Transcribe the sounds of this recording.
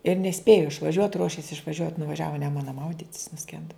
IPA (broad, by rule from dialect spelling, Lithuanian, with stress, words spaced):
ɪr nʲɛˈsʲpʲeːjʊ ɪʃʋɐˈʒʲuɔt ˈruɔʃʲeːs ɪʃʋɐˈʒʲuɔt nʊʋɐˈʒʲæːʋoː ɪ ˈnʲæːmʊnɐ ˈmɐʊdʲɪtʲs nʊˈsʲkʲɛndɐ